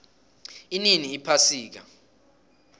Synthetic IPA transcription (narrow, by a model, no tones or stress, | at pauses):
ininiːpʰasiːk̬a̰